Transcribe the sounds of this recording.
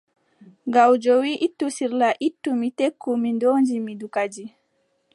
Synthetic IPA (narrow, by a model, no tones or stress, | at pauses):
ŋɡawd͡ʒɔwiʔitːusiɾlaʔitːumitekːumindoːnd͡ʒimidukad͡ʒi